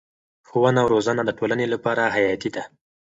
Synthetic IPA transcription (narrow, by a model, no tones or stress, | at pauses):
xowənawɾozanad̪əʈolanelapɑɾaɦajɑt̪id̪a